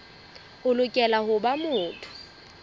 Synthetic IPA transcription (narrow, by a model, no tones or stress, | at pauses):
ʊlʊkʼɛlahʊbamʊːtʰʊ̥